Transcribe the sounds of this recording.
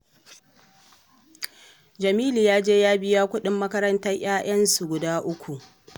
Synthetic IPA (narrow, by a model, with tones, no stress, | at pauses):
d͡ʒɐ˨miː˦li˨jaː˦d͡ʒeː˦jaː˦bɪ˦jaː˦kʷʊ˦ɗɪ˦mːɐ˦kɐ˦ɾɐ˦ntɐ˦j̰ʲaː˦jʔɐ˦nsu˨ɡʷʊ˨daː˦ʔʊ˦kʷu˨ʔ